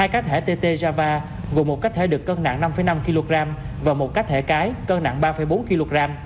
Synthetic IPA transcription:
haː˧jkaː˦˥k̚t̪ʰḛ˧˩t̪e˧t̪e˧zaː˧vaː˧ | ɣu˨˩˨mo˨˩t̚ka˦˥k̚t̪ʰe˧˩ɗɨ˨˩əkːəː˧na̰˧˨ŋna˧mfə˧˩˦jna˧mki˧lo˧ɣɾaː˧m | vaː˨˩wmo˨˩t̚ka˦˥k̚t̪ʰḛ˧˩kaː˨˦jkəː˧na̰˧˨ŋɓaː˧fə˧˩˦jɓo˨˦nki˧lo˧ɣaː˧m

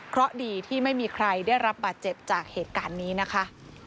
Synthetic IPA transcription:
kʰɾɔ˦˥ʔdiː˧t̪ʰiː˥˩ma˥˩jmiː˧kʰɾa˧jdaː˥˩jɾa˦˥p̚baː˨˩t̪̚t͡ɕe˨˩p̚t͡ɕaː˨˩k̚heː˨˩t̪̚kaː˧nːiː˦˥na˦˥kʰa˦˥ʔ

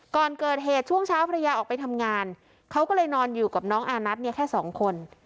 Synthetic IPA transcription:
kɔː˨˩nkɤː˨˩t̪̚ɦeː˨˩t̪̚t͡ɕʰu˥˩əŋt͡ɕʰaː˦˥wpʰːɾa˧jaː˧ʔɔː˨˩k̚pa˧jt̪ʰa˧mŋaː˧n | kʰa˦˥wkɔː˥˩lɤː˧jnɔː˧njuː˨˩kaː˨˩p̚nɔː˦˥ŋʔaː˧na˦˥t̪̚ni˥˩ɐkʰɛː˥˩sɔː˩˦ŋkʰo˧n

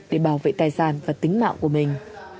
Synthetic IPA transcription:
ɗe˧˩ɓaː˧˩wvḛ˧˨t̪aː˨˩jsaː˧˩nvaː˨˩t̪ï˨˦ŋ̟ma̰ː˧˨ŋku˧˩əmï˨˩ŋ̟

